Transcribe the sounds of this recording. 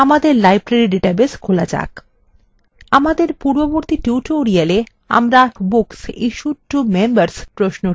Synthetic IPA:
amad̪eɾlajbɾaɾiɖiʈabeskʰolad͡ʑa̰k | amad̪eɾpuɾboboɾt̪iʈiuʈoɾiale | a̰mɾabuksḭʃuʈːumembaɾspɾoʃno

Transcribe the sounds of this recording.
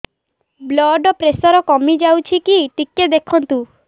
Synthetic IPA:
blɔɖɔpɾesɔɾɔkɔmid͡ʒawt͡ʃʰikiʈikːed̪ekʰɔnt̪u

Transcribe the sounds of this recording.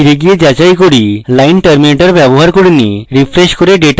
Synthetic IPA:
iɾeɡijed͡ʑat͡ɕajkoɾilajnʈɐɾmineʈaɾbɛboɦaɾkoɾinḭɾifɾeʃkoɾeɖeʈ

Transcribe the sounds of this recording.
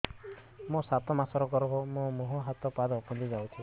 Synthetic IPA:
mosat̪ɔmasɔɾɔkɔɾɔɦɔmomuɦɔɦat̪ɔpad̪ɔpɔnd̪izawt͡ʃʰũ

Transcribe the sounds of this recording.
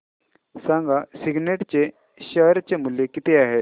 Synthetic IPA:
sãŋɡasiɡneʈt͡ɕe | ɕəɾt͡ɕemuljekit̪eaɦe

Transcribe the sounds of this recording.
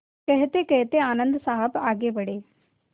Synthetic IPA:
kɐɦɐt̪ekɐɦɐt̪eaːnɐnd̪ɐsaːɦɐbaːɡeːbɐɽeː

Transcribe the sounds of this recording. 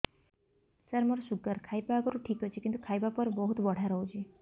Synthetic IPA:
səɾməɾoʃuɡəɾkʰajpaɡɔɾuʈʰikɦot͡ʃʰikint̪ukʰajbapəɾbəɦut̪bəɽ̤aɾəɦũd͡ʒʰe

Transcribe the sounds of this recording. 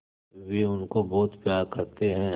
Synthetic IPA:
ʋeʊnkobɔːt̪pjaːɾkɐɾt̪eɦɛ̃

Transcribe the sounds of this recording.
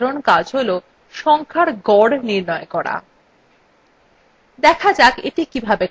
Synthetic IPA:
ɾonkad͡ʑɦolo | ʃɔŋkʰaɾɡɔɽniɾnɔekɔɽa̰ | d̪ɛkʰad͡ʑakḛʈikibʱabe

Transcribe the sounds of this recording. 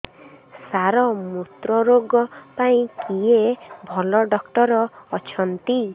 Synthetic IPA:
saɾɔmut̪ɾɔɾoɡɔpaĩkijebʱɔlɔɖɔkʈɔɾɔːt͡ʃʰɔnt̪i

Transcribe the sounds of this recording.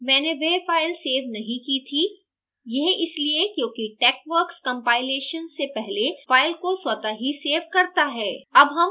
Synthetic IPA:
mɛ̃ːneʋefaːɪlseːʋnɐɦĩkit̪ʰi | jɛɦɪsliekjõːkiʈɛːkʋəɾkskɐ̃mpaːɪleːʃənsepɛɦlefaːɪlkoswɐt̪aɦiseːʋkɐɾt̪aɦɛːɐbɦɐm

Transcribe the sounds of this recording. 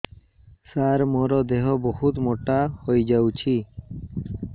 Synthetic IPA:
saɾmɔɾɔd̪eɦɔbɔhut̪mɔʈahojd͡ʒawt͡ʃʰi

